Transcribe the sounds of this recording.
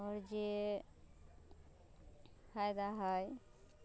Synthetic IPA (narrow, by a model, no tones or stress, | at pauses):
ɔɾd͡ʒe | kʰajd̪aɦɔj